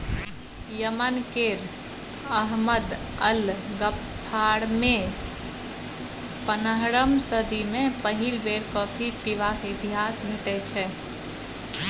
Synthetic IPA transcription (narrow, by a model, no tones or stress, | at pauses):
jəmənkeɾ | əɦməd̪əlɡəpʰːaɾme | pənəɦɾəmsəd̪imepəɦilbeɾkɔpʰipiʋakit̪iɦasbʱeʈɛt͡ʃʰɛ